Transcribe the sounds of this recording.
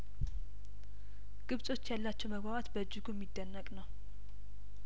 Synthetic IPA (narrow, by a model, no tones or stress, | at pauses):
ɡ̥ɨβsʼo̞t͡ʃːjalːat͡ʃːɛwməɡbaβat̪bəd͡ʒːɪɡuɛmːid̪ːənːəkʼnəw